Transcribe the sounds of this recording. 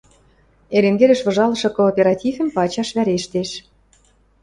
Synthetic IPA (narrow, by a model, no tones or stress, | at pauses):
eɾeŋɡelʲɘ̆ʃβɤ̆ʒɑlɤ̆ʃɤ̆koːpʲeɾɑt̪ʲifʲɘ̆mpɑt͡ɕɑʃβæɾeʃt̪eʃ